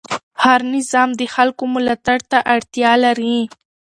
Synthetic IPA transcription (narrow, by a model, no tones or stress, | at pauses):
haɾnɪzɑmd̪əxalkomʊlɑt̪aɽt̪aʔaɽt̪jɑlaɾi